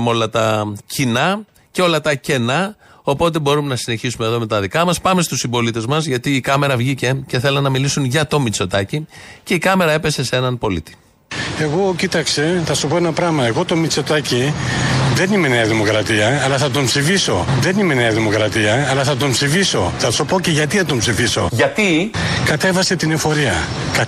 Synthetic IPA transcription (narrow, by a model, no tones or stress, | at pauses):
mo̞lɐt̪ɐcinɐ | ceo̞lɐt̪ɐce̞nɐ | o̞po̞t̪̬e̞bo̞ɾume̞nɐsine̞çisume̞ðo̞me̞t̪ɐðikɐmɐspɐme̞st̪usimbo̞lit̪e̞zmɐzʝɐt̪iːkɐme̞ɾɐvʝice̞ce̞θelɐnɐmilisunʝɐt̪o̞mit͡so̞t̪ɐcice̞ikɐme̞ɾɐe̞pe̞se̞se̞nɐnpo̞lḭt̪i̥ | e̞ɣo̞cit̪ɐkse̞θɐsupo̞enɐpɾɐmɐe̞ɣo̞t̪o̞mit͡so̞t̪ɐci | ðe̞nime̞neɐðimo̞kɾɐt̪iɐːlɐθɐt̪o̞mpsifiso̞ðe̞nime̞neɐðimo̞kɾɐt̪iɐːlɐθɐt̪o̞mpsifiso̞θɐsopo̞ceʝɐt̪iθɐt̪o̞mpsifiso̞̰ʝɐt̪ikɐt̪e̞vɐse̞t̪inefo̞ɾiɐ | k